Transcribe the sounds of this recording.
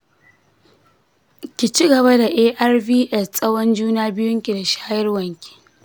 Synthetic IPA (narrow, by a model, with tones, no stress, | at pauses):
kʲi˨t͡ʃi˦ɡɐ˨βa˦da˨ʔeː˦ʔa˦rviː˦ʔɛ˦˨ssʼɐ˦wɐ˦nd͡ʒuː˦naː˦bɪ˦jʊ˦ŋkʲi˨da˨ʃaː˦jɐ˦rwɐ˨ŋkʲi̥˨